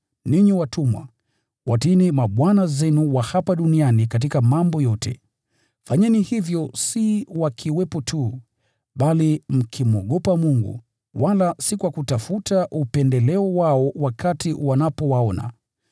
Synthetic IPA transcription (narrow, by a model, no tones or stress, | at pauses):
niɲiwatʰumwa̰ | watinimaɓwanazɛnuwahapaɗunianikat̬ikamambɔjɔtʰɛ̰ | faɲɛnihivjɔsiwakʰiwɛpɔtʰu | ɓalim̩kʰimuɔɠɔpamuŋɡṵ | walasikwakutafutʰaʔupɛndɛlɛɔwaɔwakʰatiwanapɔwaɔna̰